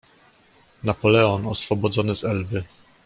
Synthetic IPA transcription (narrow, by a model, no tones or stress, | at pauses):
napɔlɛɔnɔsfɔbɔd̪zɔnɘzɛlbɘ